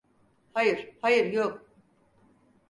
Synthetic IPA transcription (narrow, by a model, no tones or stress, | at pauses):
hajɯɾ̥hajɯɾjok̚